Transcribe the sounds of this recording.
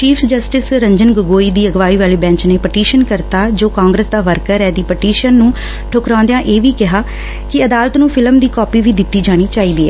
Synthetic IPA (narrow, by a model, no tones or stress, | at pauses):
t͡ʃiːfsd͡ʒəsʈɪsɾəɲd͡ʒənɡʊɡoːiːd̪iːəɡʋaːiːʋaːliːbɛ̃ːɲt͡ʃneːpəʈiːʃənkəɾt̪aːd͡ʒoːkãːŋɡɾəsd̪aːʋəɾkəɾɛːd̪iːpəʈiːʃənːũː | ʈʰʊkɾãːnd̪ejãːʔeːʋiːkɪɦaː | kɪəd̪aːlət̪nũːfʰɪləmd̪iːkɔːpiːʋiːd̪ɪt̪ːiːd͡ʒaːɽ̃iːt͡ʃaːiːd̪iːɛ̰ː